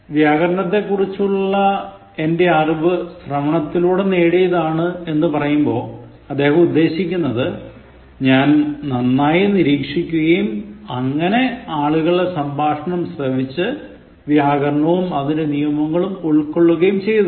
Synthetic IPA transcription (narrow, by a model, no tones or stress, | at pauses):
ʋjaːɣɐɾɐɳɐt̪̬ːe̞kːurit͡ɕːuɭːɐ | e̞nde̞aːrbɨsrɐmɐɳɐt̪ːiluːɽeneːɽijɐðaːɳɨe̞nːɨpɐrɐjumbo̞ː | ɐd̪ːe̞ːhɐmud̪ːe̞ːɕikʲːunːɐðɨ | ɲaːnnɐnːaːjiniɾiːkʂikʲːuɣɐjumɐŋːɐne̞aːɭuɣɐɭesɐmbʱaːʂɐɳɐmsrɐʋit͡ɕːɨ | ʋjaːɣɐɾɐɳɐʋumɐðindenijɐmɐŋːɐɭumuɭkːo̞ɭːuɣɐjumt͡ɕe̞jɐð